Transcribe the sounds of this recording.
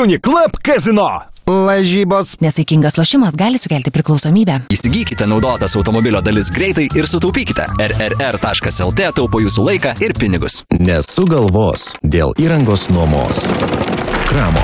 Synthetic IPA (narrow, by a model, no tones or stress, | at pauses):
ʊnʲɪklˠɐpkɑːzʲɪnoːlˠɐʒʲiːboːsnʲɛsɐɪkʲɪŋɡɐslˠoːʃʲɪmɐsɡɑːlʲɪsʊkʲɛːlʲt̪ʲɪpʲɾʲɪklˠɒʊsoːmʲiːbʲæːiːsʲɪɡʲiːkʲɪt̪ʲɛnɒʊd̪oːt̪ɐsɒʊt̪omobʲɪlʲoːd̪ɐlʲɪsɡɾʲɛɪt̪ɐɪʔɪɾsʊt̪ɐʊpʲiːkʲɪt̪ʲɛ̰ɛɾɛɾɛɾt̪ɑːʃkɐsɛlˠt̪ʲeːt̪ɐʊpoːjuːsuːlˠɐɪkɑːɪɾpʲɪnʲɪɡʊsnʲɛsʊɡɐlˠʋoːsd̪ʲeːlˠiːɾɐŋɡoːsnuɔmo̰ːs | kɾɑːmo̰ː